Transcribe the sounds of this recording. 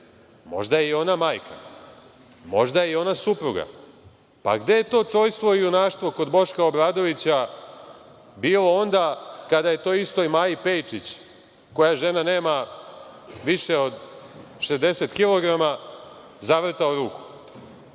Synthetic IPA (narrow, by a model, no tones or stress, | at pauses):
mo̞̰ʒd̪ajeio̞namaːjkʰa̰ | mo̞̰ʒd̪ajeio̞nasupɾuɡa̰ | pa̰ɡd̪e̞je̞t̪o̞ːt͡ʂo̞jst̪ʋo̞ijunaːʃt̪ʋo̞ko̞d̪bo̞ʃkaobɾaːd̪o̞ʋit͡ɕa | biːlo̞o̞nd̪akad̪aje̞t̪o̞ːist̪o̞jmaːjipe̞jt͡ʂit͡ɕ | ko̞jaʒe̞nane̞ːma | ʋiʃeo̞d̪ʃezd̪e̞se̞t̪kilo̞ɡɾama | zaʋr̩t̪aoɾuːku̥